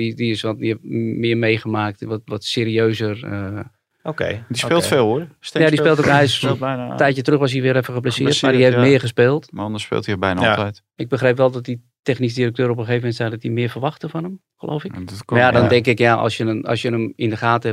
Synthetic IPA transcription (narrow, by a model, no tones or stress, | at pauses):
idiɪsʋɔtɛmɪːrmejχəmaːk̚tʋɔtʋɔtseːɾiøːzərə | okḛdispɪːlˠtfeːlˠostjadispɪːlˠtokɛjsˠjtɛjtjətrøxʋɔsiʋɪːɾɛfəχəplasɪːtmadiheftmɪːərχəspeːlˠtmaɔndəspɪ̰ːlˠtiəbɛjna̰tɛjt | ɪɡ̚bəxrejpʋɛlˠdɔt̚di | tɛxnis̬dirək̚tøːɾəop̬əxeːvəmɛntsɛxdɔtimɪəfərʋɑxtəfɔnəm | xəlo̰wfɪjadɔndɛŋkɪkjaʔɔ̰sjənəɑ̰sjənəmɪndəχaːtə